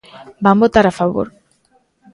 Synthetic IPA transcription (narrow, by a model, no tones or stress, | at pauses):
bambot̪aɾafaβo̰ɾ